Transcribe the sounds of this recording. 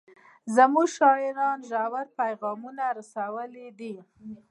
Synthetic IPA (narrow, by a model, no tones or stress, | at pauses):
zamuɡʃɑɪɾɑnʒawaɾpajɣɑmunaɾasawəlid̪i